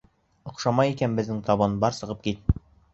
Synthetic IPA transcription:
ŏqʃɑmɑjikænbɘ̆znɘŋt̪ɒβɤnbɒɾsɤ̆ʁɤp̚kit̪̚

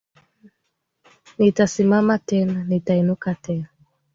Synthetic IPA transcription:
nitasimamatɛnanitainukatɛna

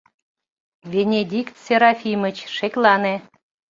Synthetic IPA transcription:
vʲenʲed̪ʲikt̪sʲeɾɑfʲimət͡ɕʃeklɑne

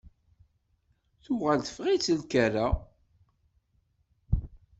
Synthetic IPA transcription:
θʊʁalθə̥fʁit͡sːəlkæɾa

